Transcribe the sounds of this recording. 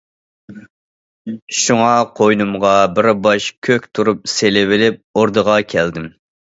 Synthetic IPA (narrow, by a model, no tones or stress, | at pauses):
ʃuŋɑqʰojnumʁɑbɪɾbɑʃkʲʰøkʲt̪ʰuɾup̚selɪvɪlɪp̚oɾd̪əʁɑkʲʰɛld̪ɪm